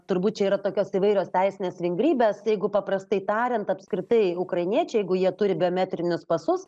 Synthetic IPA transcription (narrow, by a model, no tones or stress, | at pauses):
t̪ʊrbuːt̪t͡ʃʲɛiːɾɐt̪oːkʲoːsiʋɐɪɾʲoːst̪ʲɛɪsʲɪnʲeːsʋʲɪŋɡɾʲiːbʲeːsjɛɪɡʊpɐpɾɐst̪ɐɪt̪ɑːɾʲɛnt̪ɐpskɾʲɪt̪ɐɪʊkɾɐɪnʲiɛt͡ʃʲɛɪjɛɪɡʊjiɛt̪ʊɾʲɪbʲɪoːmʲæt̪ʲɾʲɪnʲʊspɐsʊs